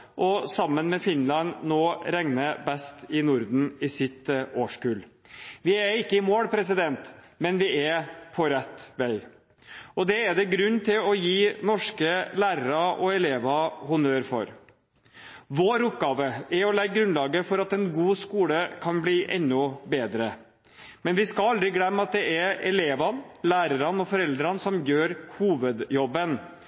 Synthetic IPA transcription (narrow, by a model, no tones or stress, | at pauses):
ʔɔsɑmːənmɛfɪnlɑnnoːɾɛŋnəbɛst̪ɪnʊɾd̪n̩ɪsɪt̪oːʂkʉːl | ʋɪæɾɪkːəɪmoːɽpʰɾɛsɪd̪ɛnt̪ | mɛnʋɪɛpʰɔɾɛt̪ːʋæɪ | ɔd̪ɛːd̪ɛɡɾʉnːt̪ʰɪlɔjiːnɔʂkəlæːɾəɾɑʔɔɛleːʋɑhʊnøːɾfɔ̰ɾ | ʋoːɾʊpɡɑːʋəɛɔlɛɡɡɾʉnlɑːɡəfɔɾɑt̪ɛnɡuːskuːləkʰɑnbliːʔɛ̰nːʊbeːd̪ɾə | mɛnʋɪskɑlɑld̪ɾɪɡlɛmːɑt̪̚d̪ɛʔɛɛleːʋɑnlæːɾəɾɑnɔfɔɾɛld̪ɾənsɔmjøːɾhuːʋəd̪jɔbːən